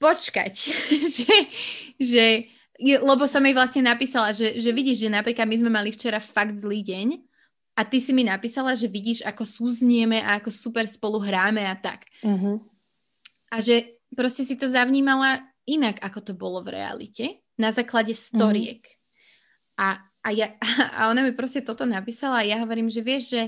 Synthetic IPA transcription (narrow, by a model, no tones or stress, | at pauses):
pɔt͡ʃka̰cʒɛ | ʒɛ | jɛlɛbɔsɔmiʋlasɲɛnapiːsalaʒɛʒɛʋiɟiːʒʒɛnapɾiklad̪̚mizmɛmalift͡ʃɛɾafaɡd̪zliːɟɛɲ | at̪isiminapiːsalaʒɛʋiɟiːʒakɔsuːzɲɛmɛʔaakɔsupɛɾspɔluɦɾaːmɛat̪a̰k | ʔaʒɛ | pɾɔscɛsit̪ɔzaʊɲiːmala | inaɡakɔt̪ɔbɔlɔvɾɛ̰a̰lḭcɛ | nazaːklaɟɛst̪ɔɾiɛ̰k | ʔaː | jaa̰ɔnamipɾɔscɛt̪ɔt̪ɔnapiːsalaːjaɦɔʋɔɾiːmʒɛʋɪɛʒʒɛ